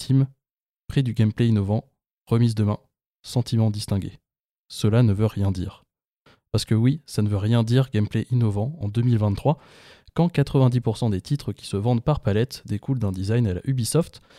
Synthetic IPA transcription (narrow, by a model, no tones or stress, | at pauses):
t̪ʰim | pχid̪yɡʲɛmpleinɔvɑ̃ | ʁəmizd̪əmɛ̃ | sɑ̃t̪ʰimɑ̃d̪ist̪ɛ̃ɡʲḛ | səlanəvøʁjɛ̃d̪ḭːʁ | paʁsə̥kəwisanəvøʁjɛ̃d̪iʁɡɛmpleʔinɔvɑ̃ɑ̃d̪əmilvɛ̃nt̪χwa | kɑ̃kat̪χəvɛ̃d̪ipuʁsɑ̃d̪et̪ʰit̪χəkʲi̥səvɑ̃d̪paʁpalɛt̪d̪ekuld̪ɛ̃d̪izajnala̰ʔybisɔft̪